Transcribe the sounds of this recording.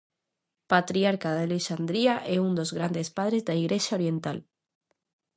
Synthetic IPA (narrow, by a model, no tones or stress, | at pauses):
pat̪ɾiaɾkaðaleʃand̪ɾiaʔeund̪ozɣɾand̪espaðɾezðaiɣ̞ɾeʃaoɾjẽnt̪a̰l